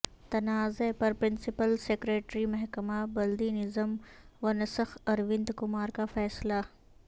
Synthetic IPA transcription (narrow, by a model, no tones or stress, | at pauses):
t̪ɐnaːzepɐɾpɾɪnsipəlseːkɾeːʈɾimɐɦkəmabɐld̪iːnɪzəmʋɐnɐsəxɐɾʋɪnd̪kʊmaːɾkafɛːsla